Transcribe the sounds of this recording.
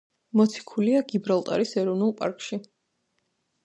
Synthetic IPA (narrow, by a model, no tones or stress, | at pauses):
mɔt̪sʰi̥kʰuliaɡibɾalˠt̪ʼa̰ɾisɛɾɔvnulˠpʼa̰ɾkʼʃi